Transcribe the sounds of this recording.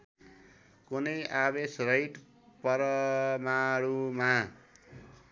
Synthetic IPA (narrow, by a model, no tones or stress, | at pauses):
kunʌjaβesrʌjʈ | pʌɾʌmaɾuma